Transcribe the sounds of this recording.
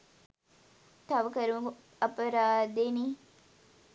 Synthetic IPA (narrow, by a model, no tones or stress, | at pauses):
t̪ɐʋəkəɾumuɡ | ɐpəɾaːd̪eni